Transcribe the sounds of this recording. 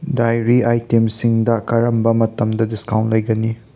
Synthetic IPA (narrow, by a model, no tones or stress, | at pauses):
dajɾiajtemsiŋdɐkɐɾɐmbɐmɐtɐmdɐdiskaw̃ntlɐjɡɐni